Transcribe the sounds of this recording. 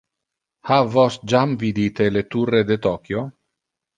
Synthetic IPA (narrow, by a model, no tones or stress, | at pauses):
havɔsd͡ʒamvid̪it̪elet̪urːed̪et̪ɔkjo